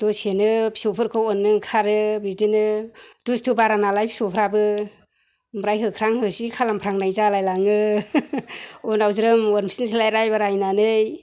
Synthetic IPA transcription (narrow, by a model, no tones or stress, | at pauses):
d̥osenɯpʰi̥sopʰɯɾkʰɔɔnːɯŋkʰaɾɯbɾidinɯdustʰubaɾanalajpʰi̥sopʰɾabɯ | mɾajɦɯkʰɾaŋhɯsikʰalampʰɾaŋnajzalajlaŋɯ | ɔnawzɾɯmwɔɾmisinsʰilajɾajbaɾajnanɯj